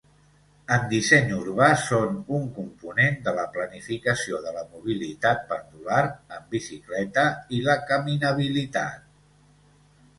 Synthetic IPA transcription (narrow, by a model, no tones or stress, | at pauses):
əmd̪isɛɲuɾβasonuŋkumpunend̪ələplənifikəsioðələmuβ̞ilit̪at̪̚pənd̪ulaɾəmbisiklɛt̪əiləkəminəβ̞ilit̪a̰t̪̚